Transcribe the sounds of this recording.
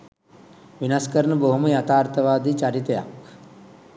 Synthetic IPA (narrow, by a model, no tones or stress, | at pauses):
ʋinaskəɾnəboɦuməjat̪aːrt̪əʋaːd̪it͡ʃaɾit̪əjak